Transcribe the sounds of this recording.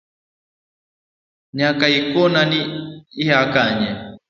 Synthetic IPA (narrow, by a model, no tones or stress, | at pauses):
ɲakaikɔnaniihakaɲɛ